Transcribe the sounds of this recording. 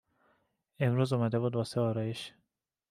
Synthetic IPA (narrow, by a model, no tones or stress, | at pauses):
e̞mɾuːzomæd̪e̞bud̪̚bɒːseɒːɾɒːjeʃ